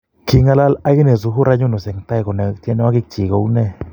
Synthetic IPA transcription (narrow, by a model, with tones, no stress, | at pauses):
ki˧ŋa˧la˦la˦ɡi˦ne˨zu˨˧ɦu˦ɾa˧˦ɲu˦no˨se˨ŋt̪a˦jko˨ne˨t̪je˦no˦a˦ɡi˦k̚t͡ʃi˨ɡo˧˦wnɛ˦˨